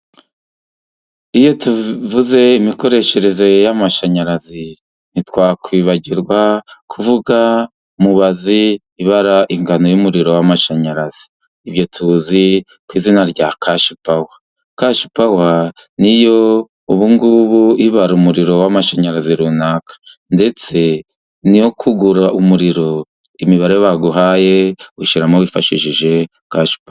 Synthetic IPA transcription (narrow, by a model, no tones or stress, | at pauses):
ijo̞tuvuze̞imiko̞ɾe̞ʃe̞ɾe̞ze̞jamaʃaɲaɾazi | nitwaːkwiːβaɟiɾɡwakʰuvuɡa | umuβaziː | βaɾaʔiŋɡano̞jumuɾiɾo̞wamaʃaɲaɾaz̥iː | bjo̞tʰuzi | kwiːzinaɾɟakʰaʃupawa | kaʃu̥pawa | nijo̞ | uβuŋɡuβuiβaɾumuɾiɾo̞wamaʃaɲaɾaziɾunakʰḁ | nde̞t͡se̞ | nijo̞kʰuɡuɾaʔumuɾiɾo̞ | imiβaɾeβaɡuɦaːje̞uʃiɾamoβifa̰ʃiʃiʒe̞ | kaʃu̥pa